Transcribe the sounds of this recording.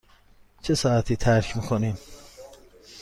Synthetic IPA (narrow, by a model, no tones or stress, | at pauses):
t͡ʃʰesɑːæt̪ʰiːt̪ʰæɾkʰmikʰonim